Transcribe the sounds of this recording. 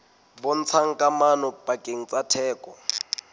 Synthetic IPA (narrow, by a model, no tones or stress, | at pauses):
bʊn̩t͡sʰaŋ̩kʼamanɔpʼakʼeŋ̩t͡sʼatʰɛːkʼɔ